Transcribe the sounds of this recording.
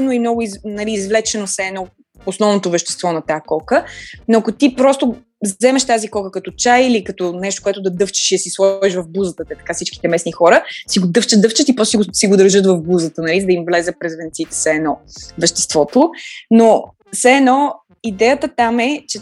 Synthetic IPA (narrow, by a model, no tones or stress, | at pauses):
noimnɔɡʊiznɐliːzvlɛt͡ʃɛnosɛːnɔ | osnɔvnot̪ovɛʃt̪ɛ̥st̪vɔnɐt̪akɔkənoɐkot̪ipɾɔst̪o | zɛmɛʃt̪azikɔkəkɐt̪ot͡ʃajilikɐt̪ɔnɛʃ̬t̪o̥koɛt̪ʊd̪ɐd̪ɤft͡ʃi̥ʃiɐsislˠɔviʃvɐvbuzət̪ət̪ɛt̪ɐ̥kafsit͡ʃki̥t̪ɛmɛsnixɔɾəsiɡod̪ɤft͡ʃət̪̚ɤft͡ʃət̪ipɾɔsiosiɡod̪əɾʒɤt̪vɐvbuzət̪ənɐlizəd̪imvlɛzəpɾɛzvɛnt̪sit̪ɛ̥sɛːnɔvɛʃt̪ɛ̥st̪vɔt̪ono | sɛɛːnɔ | id̪ɛjət̪ət̪amɛt͡ʃɛ